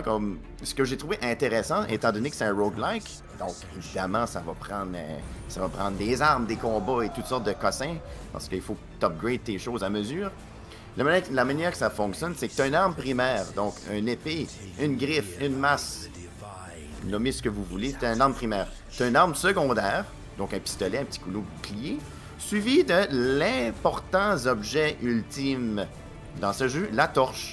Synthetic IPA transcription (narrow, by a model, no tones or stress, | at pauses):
kɔm | sə̥kəʒet̪ʁuveʔɛ̃t̪eʁɛsɑ̃ʔḛt̪ɑ̃d̪ɔnekə̥sɛɛ̃ʁoɡlajk | d̪ɔ̃kevid̪amɑ̃savɔpʁɑ̃ːd̪ʁsavɔpχɑ̃d̪ʁd̪ezaʁmd̪ekɔ̃ːbɔet̪ut̪sɔʁt̪̚d̪əkɔsɛ̃pa̰ʁsə̥kəilfokt̪ɔp̚ɡʁed̪̚t̪eʃozaməzyːʁ | lalamanjɛːʁkə̥safɔ̃ksjɔnsɛkət̪ɛ̃naʁmpʁimɛːʁd̪ɔ̃kœ̰̃nepe | ynɡʲʁɪfynmas | nɔmɪsə̥kəvuvulet̪ɛ̃naʁmpʁimɛːʁ | t̪ɛnaʁmsəɡɔ̃d̪ɛːʁ | d̪ɔ̃kɛ̃pi̥st̪ɔlɛɛ̃pət̪i̥kulobuklije | sɥivid̪əlɛ̃pɔʁt̪ɑ̃zɔbʒɛʔylt̪ɪm | d̪ɑ̃səʒølat̪ɔʁʃ